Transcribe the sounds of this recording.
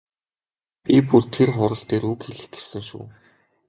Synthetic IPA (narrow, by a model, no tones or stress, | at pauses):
pʲipurt̪ʰerχʊɾə̆ɬt̪eːɾukxeɮɘ̆xɡe̥sɘ̆ŋʃṵː